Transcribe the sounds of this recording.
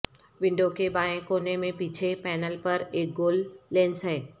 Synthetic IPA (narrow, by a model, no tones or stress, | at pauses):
ʋɪ̃ɳɖokebaːẽkoːnemẽpiːt͡ɕʰepɛːnəlpɐɾeːk̚ɡoːlːeːnsɦeː